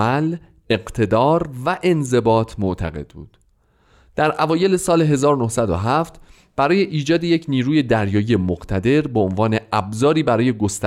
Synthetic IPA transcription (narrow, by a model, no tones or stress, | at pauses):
æl | e̞ɢt̪ʰe̞d̪ɒːɾvæʔe̞nze̞bɒːt̪ʰmoʔt̪ʰæ̰ɣe̞̰d̪̚bṵːd̪̥ | d̪̥æɾʔævɒːje̞le̞sɒːleɦe̞zɒːɾonohsæd̪o̰ɦæft̪ | b̥æɾɒːje̞ʔiːd͡ʒɒːd̪eje̞cʰniːɾuːje̞d̪æɾjɒːijemoɡt̪ʰæd̪e̞ɾbeonvɒːne̞æbzɒːɾiːbæɾɒːje̞ɡo̞st̪æ